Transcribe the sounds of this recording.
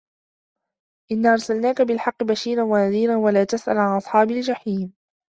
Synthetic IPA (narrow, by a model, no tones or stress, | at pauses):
ʔɪnːaːʔɑɾˤsalnaːkabɪlħɑqːɨbaʃiːɾanwanaðiːɾanwalaːt̪asʔa̰lʕanʔɑsˤħɑːbɪld͡ʒaħiːm